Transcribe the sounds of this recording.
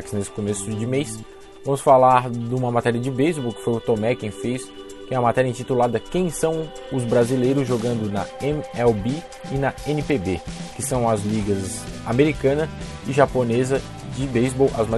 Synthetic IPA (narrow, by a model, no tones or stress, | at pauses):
kɪ̥znesɪ̥komesʊd͡ʒɪmejs | vɐ̃mʊsfalaɾd̪ũmɐmat̪ɛɾiɐd͡ʒɪbejzbowkɪ̥fojʊt̪omɛkẽj̃fejs | fẽj̃ɐmat̪ɛɾiɐẽĩt͡ʃit̪ulad̪ɐkẽj̃sɐ̃w̃ | ʊzbɾazilejɾʊzʒoɡɐ̃nd̪ʊnɐẽmɛwbi | ɪnɐẽnɪpebekɪsɐ̃w̃ɐzliɡɐzameɾikɐ̃nɐ | ɪʒaponezɐ | d͡ʒɪbejzbowʔɐzma